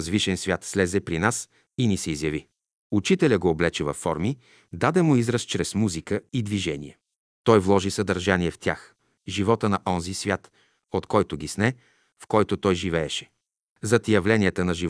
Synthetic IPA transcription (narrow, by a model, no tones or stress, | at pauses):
zviʃɛnsvʲjat̪slɛzɛpɾinas | inisɛizjɐvi | ut͡ʃit̪ɛlʲəɡoːblɛt͡ʃɛvɐfːɔɾmi | d̪ad̪ɛmʊizɾəst͡ʃɾɛsmuzikəid̪viʒɛnʲḭɛ | t̪ɔjvlˠɔʒisɐd̪ɐɾʒaniɛft̪ʲjax | ʒivɔt̪ənɐʔɔnzisvʲjat̪ | ot̪kɔjt̪ʊɡʲisnɛ | fkɔjt̪ot̪ɔjʒivɛːʃɛ̥ | zɐt̪jɐvlɛniɛt̪ənɐʒiv